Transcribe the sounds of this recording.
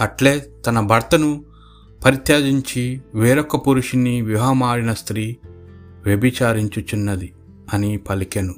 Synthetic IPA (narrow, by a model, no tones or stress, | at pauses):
ɐʈleːt̪ɐnɐbʱɐɾt̪ɐnu | pɐɾit̪jaːd̪iɲt͡ʃiʋeːɾɔkːɐpuɾuʂiniʋjuɦɐmaːɾinɐst̪ɾiː | ʋjɐbit͡ʃaːɾiɲt͡ʃut͡ʃunːɐd̪i | ɐnipɐlikenu